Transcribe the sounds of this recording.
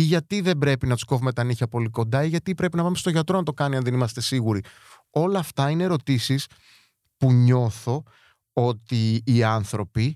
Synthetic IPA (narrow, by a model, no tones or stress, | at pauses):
iʝɐt̪iðe̞mbɾe̞pinɐt̪u̥sko̞vumet̪ɐniçɐpo̞liko̞nd̪ɐiʝɐt̪ipɾe̞pinɐpɐmest̪o̞ʝɐt̪ɾo̞nɐt̪okɐniɐnðe̞nimɐst̪e̞siɣuɾi | o̞lɐːft̪ɐineɾo̞t̪isis | puɲo̞θo̞ | o̞t̪iːɐnθɾo̞pi